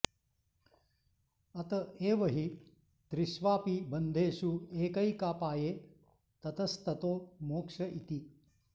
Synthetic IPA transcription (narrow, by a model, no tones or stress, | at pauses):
ɐt̪ɐeːʋɐɦi | t̪ɾiʃʋaːpibɐnd̪ʱeːʃueːkɐjkaːpaːjeː | t̪ɐt̪ɐst̪ɐt̪oːmoːkʂɐʔit̪i